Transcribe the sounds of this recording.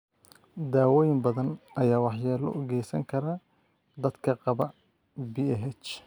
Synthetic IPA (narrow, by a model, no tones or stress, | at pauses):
d̪aːwɔːjɪmbɐðɐnɐjaːwɑħjɛːlɔ̰ʔɔɣɛjsɐ̰ŋkʰɐɾɐ | d̪ɐd̪kʰɐqɑβɐ | biɛɦɛt͡ʃ